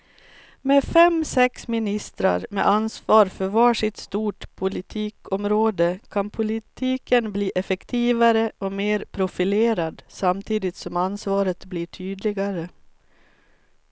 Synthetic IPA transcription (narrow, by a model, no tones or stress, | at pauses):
mefɛmsɛksmɪnɪst̪ɾa̰ɾmḛʔansvɑːɾfœɾvɑːʂɪt̪st̪uːʈpʰʊlɪt̪ʰiːkɔmɾoːd̪əkʰanpʰʊlɪt̪ʰiːkənbliːʔɛfɛkt̪ʰiːvaɾəɔmeːɾpʰɾʊfɪleːɾad̪samt̪ʰiːd̪ɪt̪sɔmansvɑːɾət̪bliːʈʰyːd̪lɪɡaɾə